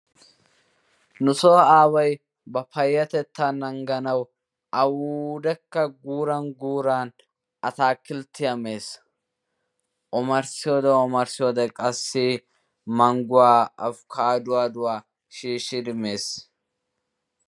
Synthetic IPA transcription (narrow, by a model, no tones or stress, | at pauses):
nʊsoːaːwɐj | bɐpɐjːɐt̪ɛt̪ːanɐŋɡɐnɐw | ʔɐwud̪ɛkːɐɡuːɾɐŋɡuːɾaːn | ʔɐt̪aːkːɪlt̪ːɪjɐme̞ːs | ʔɔmɐɾsɪjoːd̪ɛɔmɐɾsɪjɔːd̪ɛkʼɐsːɪ | mɐŋɡʊwaːɐfkʰaːd̪ʊwaːd̪ʊwaː | ʃiːʃːɪd̪ɪme̞ːs